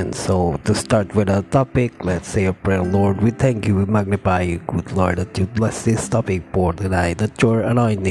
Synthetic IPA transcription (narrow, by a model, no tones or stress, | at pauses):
ɛ̃nsoʊt̪ust̪aɹtwɪdət̪ʰɔpɪklɛtseɪəpɹɛlɔɹd̚wit̪ʰɛ̃ŋkjuwimaɡ̚nɪpaɪjuɡudlɔɹd̚ɛtjublɛsdɪst̪ʰɔpɪk̚fɔɹtɨnaɪt̚dɛt̚jɔɹənɔ̃ɪ̃ntɪ̃